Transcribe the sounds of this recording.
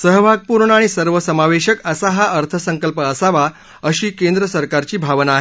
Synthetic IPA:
səɦbʱaɡ̚puɾɳəaɽ̃isəɾʋəsəmaʋeɕəkəsaɦaʔəɾt̪ʰəsəŋkəlpəːsaʋa | əɕiːkend̪ɾəsəɾkaɾt͡ɕiːbʱaʋnaːɦe

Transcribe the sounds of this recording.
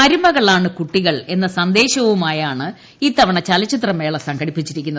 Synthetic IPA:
ɐɾumɐɣɐɭaːɳɨkuʈːiɣɐɭe̞nːɐsɐnd̪e̞ːɕɐʋumaːjaːɳɨ | iːt̪ɐʋɐɳɐt͡ɕɐlɐt͡ɕːit̪̬rɐme̞ːɭɐsɐŋɡɐɽipːit͡ɕːiɾikʲːunːɐ

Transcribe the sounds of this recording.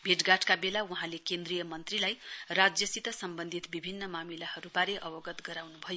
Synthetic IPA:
bʱeʈɡaʈkabelawuɦãlekẽnd̪rijʌmʌnt̪rilajrad͡zjʌsit̪ʌsʌmbʌnd̪ʱit̪bibʱinːʌmamilahʌɾubaɾeʔʌbʌɡʌt̪ɡʌɾawnubʱʌjo

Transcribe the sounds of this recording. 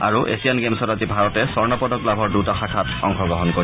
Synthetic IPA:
a̰ɹuʔḛsijanɡemsɔdazibʱaɹɔtɛsɔɹnɔpɔdɔklabʱɔɹdutaxakʰatɔ̰ŋkʰɔɡɹɔɦɔnkoɹi

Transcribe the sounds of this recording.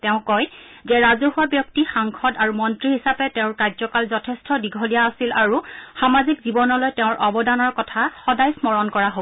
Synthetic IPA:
tɛʊ̃kɔj | zɛɹazɔɦuwabjɔk̚tixaŋkʰɔdaɹumɔntɹihisapɛtɛʊ̃ɹkaɹzɔkalzɔtʰɛstɔdiɡʱɔlijaːsilaɹuxamazikzibɔnɔlojtɛʊ̃ɹʔɔbɔdanɔɹkɔtʰaxɔdajsmɔɹɔnkɔɹaɦo

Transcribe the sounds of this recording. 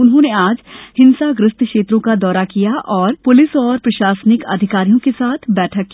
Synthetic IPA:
ʊnɦõneaːd͡ʒhɪ̃nsaɡɾɪst̪ʰkʃeːt̪ɾõkad̪ɔːɾakijaʔɔːɾpʊlɪsɔːɾpɾɐʃaːsnɪkɐ̰d̪ʱɪkaːɾijõkesaːt̪ʰbɛːʈʰəkːi

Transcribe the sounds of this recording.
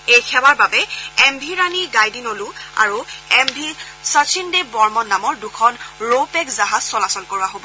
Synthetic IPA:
ejkʰɛwaɹbabɛɛmbʱiɹaniɡajdinolua̰ɹuɛmbʱi | sasʰindebɔɹmɔnːamɔɹdukʰɔnɹopɛkzaɦaz̥sɔlasɔlkoɹuaɦobɔ

